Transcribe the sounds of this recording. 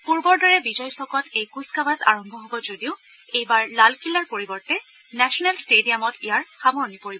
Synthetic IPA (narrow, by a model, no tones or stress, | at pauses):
puɹbɔɹdɔɹɛbizɔjsɔkɔtejkuskabaza̰ɹɔmbʱɔɦobɔzodiʊ | ejbaɹlalkilaɹpoɹibɔɹtɛ | nɛsɔnɛlstediamɔtʰijaɹxamɔɹnipoɹibɔ